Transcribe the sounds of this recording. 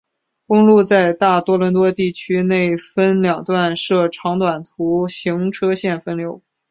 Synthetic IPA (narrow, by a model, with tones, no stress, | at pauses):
kʊ˥ŋlu˥˧t͡sa˥˧ɪt̪a˥˩t̪wɔ˥lwə˧˥nt̪wɔ˥t̪i˥˩t͡ɕʰy˥ne˥˩ɪfə˥nljɑ˨˩ŋt̪wa˥˧nʂɤ˥˩ʈ͡ʂʰɑ˧˥ŋt̪wa˨˩nt̪ʰu˧˥ɕi˧˥ŋʈ͡ʂʰɤ˥ɕjɛ˥˩nfə˥nljo˧˥ʊ